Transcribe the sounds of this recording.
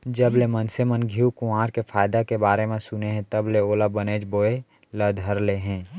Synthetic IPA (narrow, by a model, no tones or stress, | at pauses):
d͡ʒəblemənsemənɡʱiukʊaːɾkefʰaːjd̪akebaːɾemẽsʊneɦɛ̃t̪ɐbleoːlabəneːd͡ʒboːe | ləd̪ʱəɾleɦɛ̃ː